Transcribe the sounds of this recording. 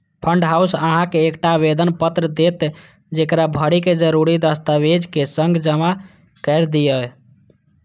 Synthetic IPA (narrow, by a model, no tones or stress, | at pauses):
pʰəɳɖɦausəɦãkeːkʈabed̪ənpət̪ɾəd̪et̪ | d͡ʒekɾabʱəɽiked͡ʒəɾuɾid̪əst̪aʋed͡ʒkesəŋɡd͡ʒəma | kɛɪɾd̪ijə